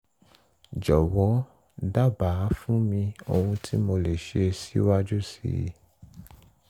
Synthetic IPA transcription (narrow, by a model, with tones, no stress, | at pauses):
d͡ʒɔ˨wɔ˨˦ | da˦˨ba˨˦fũ˦mĩ˧o˧wũ˧tʰi˦mo˧le˨ʃe˧si˦wa˦d͡ʒu˦sḭ˦˨ḭ˨